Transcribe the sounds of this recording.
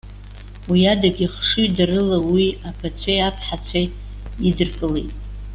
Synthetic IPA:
wiadaɡʲʼiχʂujdarɨlawiapʰat͡ɕʷʰejapʰħat͡ɕʷʰaj | idɨrkʼɨlejtʼ

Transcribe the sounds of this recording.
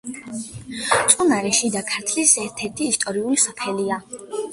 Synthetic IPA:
t̪sʼunaɾɛʃid̪akʰaɾt̪ʰlisɛɾt̪ʰɛɾt̪ʰiːst̪ʼɔɾiulisɔpʰɛlia

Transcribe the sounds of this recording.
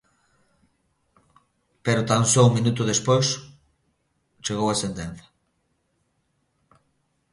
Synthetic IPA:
peɾʊt̪ansouŋmĩnut̪ʊðespojs | t͡ʃeɣowasent̪enθɐ̥

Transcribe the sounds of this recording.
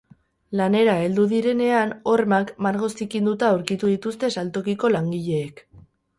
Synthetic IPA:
lane̞ɾae̞ld̪uðiɾe̞ne̞ano̞ɾmakmaɾɣo̞st̪ikind̪ut̪aoɾkit̪uðit̪ust̪e̞salt̪o̞kiko̞laŋɡiʎe̞ːk

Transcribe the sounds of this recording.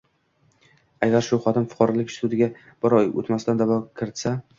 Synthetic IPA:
aɡʲaɾʃʊχɒt̪ɪmfʊ̥qʰɒɾɒlɪkʲʃt̪ud̪ɪɡʲa | b̥ɪɾɒjo̰t̪mast̪and̪avɒkʲʰɪɾɪt̪sa

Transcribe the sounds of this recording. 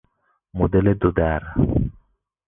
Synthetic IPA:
mod̪eled̪ʊd̪aɾ

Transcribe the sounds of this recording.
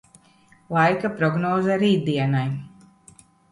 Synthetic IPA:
lˠajkapɾɔɡnɔːzaɾiːd̪iɛnaj

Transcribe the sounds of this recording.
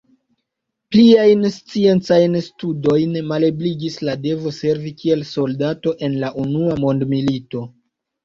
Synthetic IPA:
pliajnst͡sie̞nt͡sajnstudo̞jnmale̞bliɡislade̞vo̞se̞ɾvikʰie̞lso̞ldato̞ʔe̞nlaʔunuamo̞ndmilito̞

